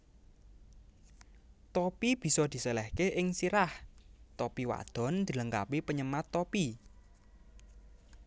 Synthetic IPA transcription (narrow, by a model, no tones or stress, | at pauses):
t̪opib̥i̤sɔd̪̥i̤səlɛhkeʔɪŋsiɾaht̪opiwa̰d̪̥ɔ̤nd̪̥i̤ləŋkapipəɲəmat̪ːopi